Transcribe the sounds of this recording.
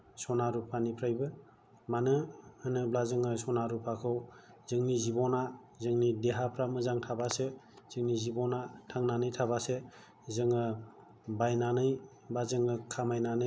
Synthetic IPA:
sɔnaɾupʰanipʰɾajbɯ | manɯhɯnɯblazɯŋɯsɔnaɾupʰakʰɯw | zɯŋnizibɔna | zɯŋnideɦapʰɾamɯzaŋtʰabasɯ | z̥ɯŋnizibɔnatʰaŋnanɯjtʰabase | zɯŋɯ | bajnanɯj | bazɯŋɯkʰamajnanɯ

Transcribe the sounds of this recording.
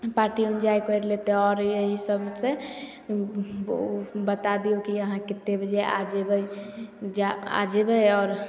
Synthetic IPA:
paɾʈiund͡ʒaikəɾlet̪eɔɾeɦisəbse | bət̪ad̪iokiəɦãkit̪ːebd͡ʒea̰d͡ʒebəjd͡ʒaa̰d͡ʒebəjɔːɾ

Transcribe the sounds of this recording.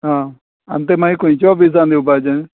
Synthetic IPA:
ɦãː | ə̰nt̪̬emãːĩːkoĩːt͡ʃɔːbiːs̬ãːnd̪eːubaːd͡ʒẽ

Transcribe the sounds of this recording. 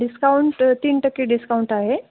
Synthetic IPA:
ɖiskauɳʈt̪iːnʈəkːeɖiskauɳʈaɦe

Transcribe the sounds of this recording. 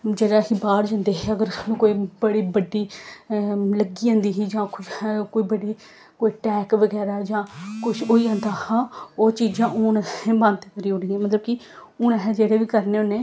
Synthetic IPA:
d͡ʒeːɽaːɦiːbaːɾd͡ʒãːnd̪eːɦɛːəɡəɾnũːkoːiːbəɽiːbəɖiː | ləɡiːãːnd̪iːɦiːd͡ʒãːkʊkoːiːbəɽiː | koːiːʈɛːkʋəɡɛːɾaːd͡ʒãːkʊʃʰoːiːãːnd̪aːhaːoːt͡ʃiːd͡ʒãːʔʊnɛbə̃nd̪kəɾiːʊɽiːɛ̃ːmət̪ləbkɪ | ʊnɛɦɛd͡ʒeːɽeːʋiːkəɾneːʊnẽː

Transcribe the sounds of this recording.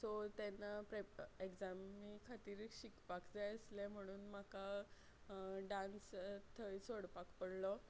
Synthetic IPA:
sɔt̪ɛnapɾaekd͡zamːikʰat̪iːɾɕikpakd͡zajəslem̤əɽ̃uːnm̤aka | ɖãnst̪ʰəjt͡soɽpakpəɽlɔ

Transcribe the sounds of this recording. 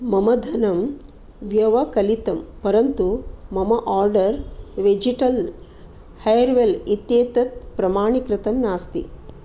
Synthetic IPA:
mɐmɐd̪ʱɐnɐm | ʋjɐʋɐkɐlit̪ɐmpɐɾɐnt̪umɐmɐʔaːɾɖɐɾʋed͡ʒiʈɐl | hɐjɐɾʋelit̪jeːt̪ɐt̪̚pɾɐmaːɳikɾɪt̪ɐmnaːst̪ḭ

